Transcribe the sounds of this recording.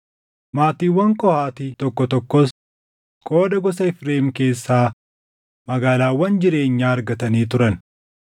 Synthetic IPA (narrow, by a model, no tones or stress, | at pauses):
maːt̪iːwːɐŋkʼɔhaːt̪ɪt̪ɔkːɔt̪ɔkːɔs | kʼo̞ːdɐɡɔs̬ɐɪfɾe̞ːmke̞ːsːaː | mɐɡaːlaːwːɐnd͡ʒɪɾe̞ːɲːaːɾɡɐt̪ɐniːt̪ʊɾɐn